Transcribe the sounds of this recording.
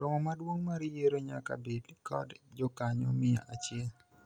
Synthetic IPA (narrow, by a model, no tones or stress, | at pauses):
ɾoŋɔmadwoŋmaɾijeɾoɲaka̰bedkɔ̰dd͡ʒɔkaɲɔmɪja̰ʔat͡ʃɪɛl